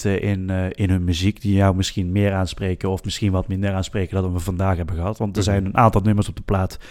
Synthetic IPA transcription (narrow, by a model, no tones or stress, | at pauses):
təʔɪnɪnɦɵnmyzikdijawmɪsxinmɪːraːnsprejkənɔfmɪsxinʋɑtmɪndəraːnspreːkəndɑdɑnʋəvɑndaːxɦɛbənɣəɦɑtʋɑntdəɹzɛjnənʔaːntɑlˠnɵməɹsɔb̚dəplaːt